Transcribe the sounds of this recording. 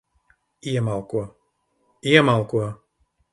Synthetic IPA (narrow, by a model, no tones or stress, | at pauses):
iɛmalˠkuɔ | iɛmalˠkuɔ